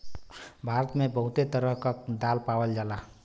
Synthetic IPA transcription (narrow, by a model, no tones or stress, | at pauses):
bʱaɾət̪mebəɦut̪et̪əɾəɦkəd̪alpawəld͡ʒala